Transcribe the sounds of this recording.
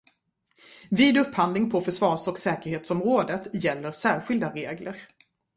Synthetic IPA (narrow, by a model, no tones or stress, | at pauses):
viːd̪ɵpːhand̪lɪŋpʰɔfœʂvɑːʂɔksɛːkəɾheːt̪sɔmɾoːd̪ət̪jɛlːəɾsæːɾɧɪld̪aɾeːɡləɾ